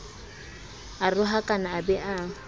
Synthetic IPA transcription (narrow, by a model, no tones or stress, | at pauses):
arʊɦakʼanaːbɛʔa